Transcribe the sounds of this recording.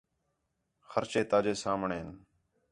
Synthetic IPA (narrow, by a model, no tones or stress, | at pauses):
xəɾt͡ʃeːt̪aːd͡ʒeːsaːmɳeːn